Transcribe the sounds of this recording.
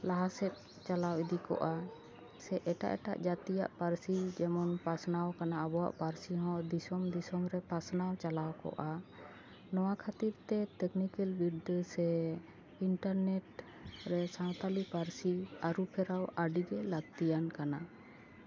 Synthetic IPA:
laɦasɛt̪̚ˀ | t͡ʃalawid̪ikɔ̰ʔa | sɛʔɛʈa̰ʔɛʈa̰ʔd͡ʒat̪ijaʔpaɾsid͡ʒɛmɔnpasnawkanaabɔwa̰ʔpaɾsiɦɔ̃d̪isɔmd̪isɔmɾɛpasnawt͡ʃalawkɔ̰ʔa | nɔwakʰat̪iɾt̪ɛt̪ɛknikɛlbiɖsɛ | iɳʈaɾneʈ | ɾɛsawt̪alipaɾsiaɾupʰɛɾawaɖiɡɛlaɡ̚t̪ijankana

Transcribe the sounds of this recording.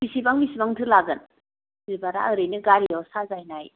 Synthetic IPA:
bisibaŋbisibaŋtʰɯlaɡɯn | ibaɾa̰əɾɯjnɯɡaɾijɔsazajnaj

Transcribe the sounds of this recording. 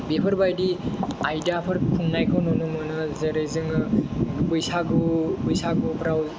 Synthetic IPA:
bepʰɐɾbajdiajdapʰɯɾkʰuŋnajkʰownɔnumɯnɯzeɾɯjzɯŋɯbujsaɡubujsaɡubɾaw

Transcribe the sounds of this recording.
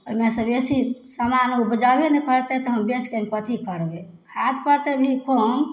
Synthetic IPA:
oimesəbesisamanubəd͡ʒabenekəɾt̪ɛt̪ɔɦəmbet͡ʃkenpət̪ikəɾbe | kʰat̪ʰpəɾt̪ebʱikʰom

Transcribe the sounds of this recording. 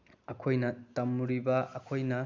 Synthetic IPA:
ɐkʰojnɐtɐmːuɾibɐʔɐkʰojnɐ

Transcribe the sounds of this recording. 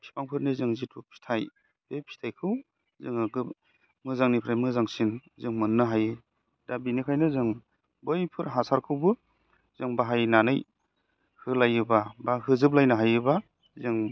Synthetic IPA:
pʰi̥paŋpʰɯɾnizɯŋzitʰupʰi̥tʰaj | epʰi̥tʰajkʰɯw | zɯŋaɡɯ | mɯzaŋnipʰɾajmɯzaŋsinzɯŋmɯnːɯɦajɯ | dabinikʰajnɯzɯŋ | bɯjpʰɯɾɦasaɾkʰɯwbɯ | z̥ɯŋbaɦajnanɯj | hɯlajɯbabahɯzɯp̬̚lajnɯɦajɯba | zɯŋ

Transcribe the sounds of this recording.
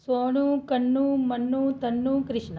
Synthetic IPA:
soːɳukɐɳːumɐnːut̪ɐnːukɾiʂɳɐ

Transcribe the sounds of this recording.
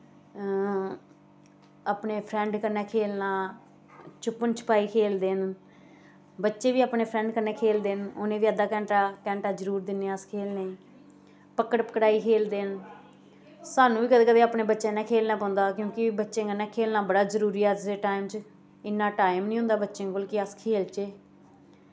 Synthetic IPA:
aːpneːpʰɾɛ̃ːɳɖkənːɛːkʰeːlnaː | t͡ʃʊpːənt͡ʃʰʊ̥paːiːkʰeːld̪eːn | bətːʃẽːʋiːaːpneːpʰɾɛ̃ːɳɖkənːɛːkʰeːld̪eːnoːnẽːʋiːəd̪aːkɛ̃ːɳʈaːkɛ̃ːɳʈaːd͡ʒəɾuːɾd̪ɪnːeaːskʰeːlneː | pəkːəɽpə̥kɽaːiːkʰeːld̪eːn | saːnũːʋiːkəd̪eːkəd̪eːaːpneːbətːʃẽːnɛ̃ːkʰeːlnaːpãːnd̪aːkjõːkibətːʃẽːkənːɛːkʰeːlnaːbəɽaːzəɾuːɾiːɛːd͡ʒseːʈaːɪmt͡ʃ | ɪnːaːʈaːɪmnĩːʊ̃nd̪aːbətːʃẽːkolkɪəskʰeːlt͡ʃeː

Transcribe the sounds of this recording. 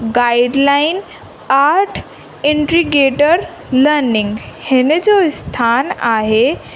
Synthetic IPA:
ɡaiɖlain | aɾʈʰ | iɳʈɾiɡeʈəɾ | ləɾniŋɡhened͡ʑost̪ʰanaɦe

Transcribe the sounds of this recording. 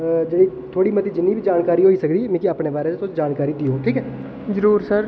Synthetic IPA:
d͡ʒeːɽiː | t̪ʰoːɽiːmət̪iːd͡ʒɪnːiːbid͡ʒaːnkaːɾiːɦoːiːsəkd̪iːmẽːkiaːpneːbaːɾeːt̪esoːt͡ʃd͡ʒaːnkaːɾiːd̪iːɦoːʈʰiːkɛː | zəɾuːɾsəɾ

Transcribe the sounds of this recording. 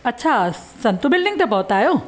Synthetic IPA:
ɐtːɕʰa | sɐnt̪ubɪlɖɪŋt̪ɐp̬ɐwt̪ajo

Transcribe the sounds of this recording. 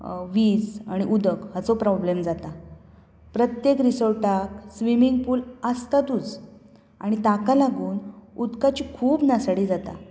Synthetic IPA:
ʋid͡za̰ɽ̃iʔud̪əkhət͡sopɾɔblemd͡zat̪a | pɾət̪jekɾisəɭʈaksʋimiŋɡ̚puːləst̪at̪ud͡z | a̰ɽ̃it̪akalaɡuːnud̪kat͡ɕikʰuːbnasaɽiːd͡zat̪a̰

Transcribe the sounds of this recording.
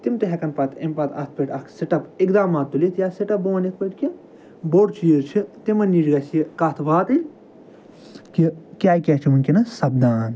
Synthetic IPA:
t̪imt̪eɦʲekɐnpɐt̪ʰimpɐt̪ɐ̰t̪̚ʰpɐʈɐkʰseʈɐpikd̪aːmaːt̪ːulit̪jaːseʈɐp̚boːnikʰpɐʈki | boːɽt͡ʃiːzt͡ʃʰit̪imɐnːiːd͡ʒɡɐsikɐt̪ʰʋaːt̪ilʲ | kikʲaːikʲɐt͡ʃʰimunʲkʲinɐsɐbd̪aːn

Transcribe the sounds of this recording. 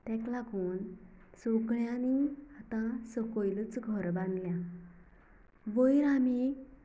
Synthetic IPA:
t̪ɛ̃klaɡuːnsoɡɭjãniat̪ãsəkojlət͡sɡʱɔɾbãnd̪ljã | ʋəjɾami

